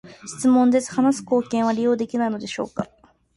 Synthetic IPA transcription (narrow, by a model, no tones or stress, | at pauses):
ɕi̥t͡sɨmõ̞nd̪e̞t͡sɨ̥hanasɨ̥ko̞ːkẽɰ̃βaɾʲijo̞ːd̪e̞kʲinaino̞d̪e̞ɕo̞ːka